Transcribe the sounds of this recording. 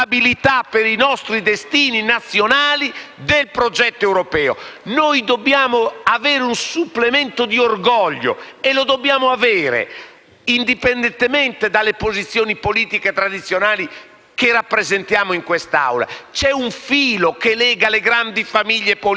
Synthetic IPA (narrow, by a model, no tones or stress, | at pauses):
abilit̪apːeɾinɔst̪ɾid̪est̪iːninat̪sːjonaːlid̪elpɾod͡ʒɛt̪ːoɛwɾopɛːo̰nojd̪obːjaːmoavɛːɾeunsupːlemɛnt̪od̪iorɡɔʎːo̰elod̪obːjaːmoavɛːɾḛ | ind̪ipend̪ɛnt̪emɛnt̪ed̪alːepozit̪sːjoːnipoliːt̪iket̪ɾad̪it̪sːjonaːli | kerapːɾezent̪jaːmoiŋkwest̪a̰wla̰t͡ʃɛuɱfiːlokelɛːɡaleɡɾand̪ifamiʎːepo